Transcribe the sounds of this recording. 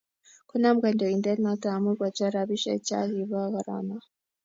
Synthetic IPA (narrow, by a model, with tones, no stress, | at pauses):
ko˦na˦mɡe˨ndɔ˨i˨nde˦ɾna˦t̪a˨mu˦ɾɡwa˨t͡ʃa˦ɾa˨βi˦ʃḛ˨ca̰˦li˨βa˦ɣa˨ɾa̰˨na˨